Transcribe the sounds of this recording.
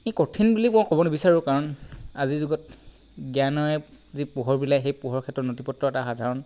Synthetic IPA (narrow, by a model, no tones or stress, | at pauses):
ekotʰinbuliɔkɔbɔnebisaɹʊkaɹɔnazizuɡɔt̚ | ɡjanɔɛzipuɦɔɹbilajxejpuɦɔɹkʰɛtɹɔtnotipɔtɹɔɛtaxadʱaɹɔn